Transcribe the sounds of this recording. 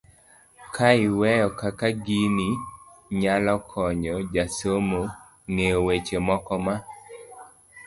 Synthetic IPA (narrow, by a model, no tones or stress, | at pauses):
kʰaɪwɛjɔkakaɡini | ɲalɔkʰɔɲd͡ʒɔd͡ʒasomo | ŋeowet͡ʃemɔkɔma